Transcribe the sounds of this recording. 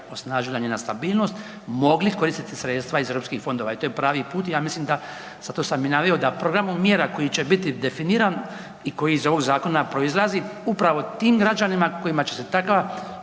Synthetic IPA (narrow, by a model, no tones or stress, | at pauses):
o̞snaʒilaɲeːnast̪abiːlˠno̞st̪ | mo̞ɡliko̞ɾiːst̪it̪isɾeːt̪st̪ʋaize̞vɾopskixfo̞nd̪o̞ːʋait̪ojepɾaːʋipuːt̪ijaːmislimd̪a | z̥at̪osaminaʋejod̪apɾo̞ɡɾamomːjeːɾako̞jit͡ɕebit̪id̪e̞finiːɾan | iko̞jiizo̞ʋo̞ɡzaːko̞napɾo̞izlˠaziupɾaʋo̞t̪iːmɡɾad͡ʒanimako̞imat͡ɕe̞se̞t̪akʋa